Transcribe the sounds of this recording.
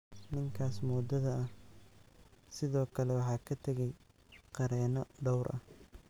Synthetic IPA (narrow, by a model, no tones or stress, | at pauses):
nɪŋkʰaːsmɔːd̪ɐðɐɐh | sɪðɔːkʰɐlɛwɑħɑːkʰɐt̪ʰɐɣɛj | qɑɾɛːnɔɖɔwɾʔɐ̰h